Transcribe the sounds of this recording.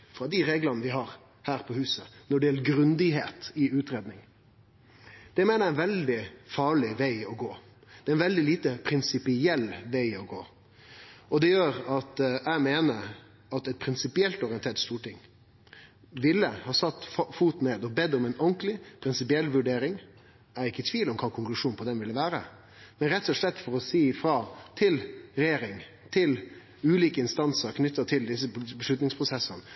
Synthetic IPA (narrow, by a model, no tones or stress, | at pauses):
fɾɑd̪ɪɾeːɡlənəʋɪɦɑːɾ | hæːɾpʰɔhʉːsənɔɖɛjɛlːəɾɡɾʉnd̪ɪheːt̪ɪʉːt̪ɾeːd̪nɪŋ | d̪̥ɛmeːnəɾæɪnʋɛld̪ɪfɑːɭɪʋæɪɔɡoː | d̪̥ɛːɛɪnʋɛld̪ɪliːt̪əpʰɾɪnsɪpɪɛlːʋæɪɔɡo̰ː | ʔɔd̪ɛjøːɾɑt̪æɪmeːnəɾ | ɑt̪ɛt̪̚pʰɾɪnsɪpɪɛlt̪ɔɾɪənt̪eːʈt̪st̪uːʈɪŋ | ʋɪlːəhɑːsɑt̪ːfuːt̪neːd̪ɔbɛd̪ːɔmɛɪnɔŋklɪpʰɾɪnsɪpɪɛlːʋʉɖeːɾɪŋ | æɾɪkːət̪ʰʋiːlɔmkʰɑːkʰʊŋklʉʂuːnpʰɔd̪ɛnʋɪlːəʋæːɾə̰ | mɛnɾɛt̪ːɔʂlɛt̪ːfɔɾɔsiːfɾɑːt̪ʰɪlɾɛjeːɾɪŋ | t̪ʰɪl | ʉːliːkəɪnst̪ɑnsəɾkʰnʏt̪ːət̪ʰɪld̪ɪs̬ːəbəʂlʉt̪nɪŋspʰɾʊsɛsən